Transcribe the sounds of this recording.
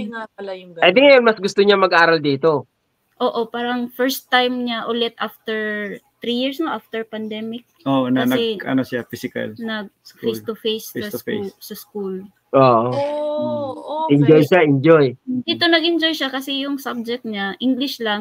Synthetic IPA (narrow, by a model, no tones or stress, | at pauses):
ŋapɐlajʊŋpɛd̪ɪŋɐjonmɐsɡʊst̪oɲamɐɡʔaːɾɐld̪iːt̪o | ʔo̞ːʔo̞paːɾɐŋfɛɹst̪ːajmɲaʔʊlɛt̪̚ʔaft̪ɛɹ | t̪ɾijiɹsnoʔaft̪ɛɹpɐnd̪ɛmɪk̚ʔoʔonɐnɐɛɐnosɪafisɪkɐ̰lnɐɡ̚sfejst̪ʊfejssfsɐskul | ʔoːʔo | ʔʔɪnd͡ʒojʃaʔɪnd͡ʒojd̪iːt̪o̞nɐɡɪnd͡ʒojʃakɐsɛjʊŋsab̚d͡ʒɛk̚t̪ɲaʔiŋɡlɪʃlɐŋ